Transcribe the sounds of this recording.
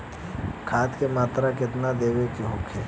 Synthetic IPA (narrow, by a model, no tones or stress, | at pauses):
kʰaːt̪kemaːt̪ɾakɪt̪nad̪eːwekiɦoːkʰe